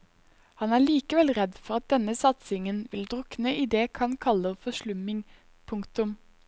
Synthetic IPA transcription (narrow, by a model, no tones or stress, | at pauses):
hɑnæːɭiːkəʋɛlʁɛd̪fɔʁɑt̪̚d̪ɛnəsɑt̪sɪŋənʋɪld̪ʁʊknəʔɪd̪eːkʰɑnkʰɑləfɔʃlʉmɪŋ | pʰʊŋkt̪ʉm